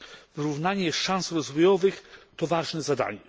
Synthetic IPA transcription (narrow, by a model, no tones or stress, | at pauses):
vɘɾuvnaɲɛʂãnsɾɔzvɔjɔvɘxt̪ɔvaʐnɛzad̪a̰ɲɛ